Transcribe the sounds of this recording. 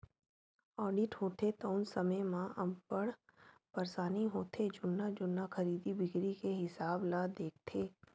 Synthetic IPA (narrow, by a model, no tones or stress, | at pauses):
ɔːɾɖɪʈɦoːt̪et̪oʊnsɐməjmãʔɐmpəɽpɐɾsaːniɦoːt̪ʰed͡ʒʊnːad͡ʒʊnːaxɐɾiːd̪ibɪɡɾikeɦɪsaːblad̪eːk̚ʰt̪ʰeː